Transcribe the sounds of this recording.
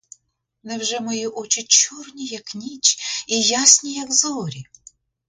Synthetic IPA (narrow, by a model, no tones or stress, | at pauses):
nɛwʒɛmɔjiʔɔt͡ʃɪt͡ʃurnʲijɐknʲit͡ʃijasʲnʲijɐɡzɔɾʲi